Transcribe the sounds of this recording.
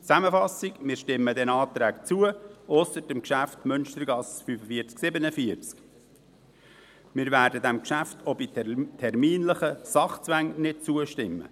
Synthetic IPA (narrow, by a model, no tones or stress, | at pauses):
t͡sæməfɑsɪɡmɪːɾʃtɪmːədɛnɑːt̪ɾæːkt͡suəʔɔsəɾdəmkʃæftmʏnʃtəɾɡɑsfyːfəfiəɾt͡sksɪbənəfiəɾt͡sk | mɪːɾvæːɾdədæmkʃæftʰɔbittʰɛrmiːnləχəsɑχt͡sʋæŋnɪt̚t͡suəʃtɪmːə̰